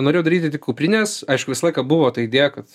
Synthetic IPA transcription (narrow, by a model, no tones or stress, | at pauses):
noɾʲeːjoʊd̪ɐɾʲiːt̪ʲɪt̪ʲɪkuːpʲɾʲɪnʲesɐɪʃkʊʋʲɪsɐlˠɐɪkɐbʊʋoːt̪ɐɪɪd̪ʲeːjɛkɐt̪